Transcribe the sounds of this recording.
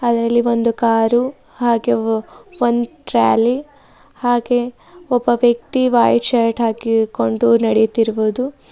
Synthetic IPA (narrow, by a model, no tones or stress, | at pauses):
ɐd̪ɐɾɐlːiond̪ukaːɾu | haːɡeʋond̪uʈɾa̰ːli | haːɡe̞ | ɔbːɐʋjɐk̚t̪iʋaːjt͡ʃaɾʈɦaːkiko̞ɳɖunɐɽejut̪iɾuʋuːd̪u